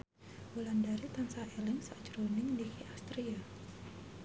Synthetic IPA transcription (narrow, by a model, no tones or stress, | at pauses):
wulandaɾit̪ansaɛlɛŋsad͡ʒɾonɪŋdihiast̪ɾia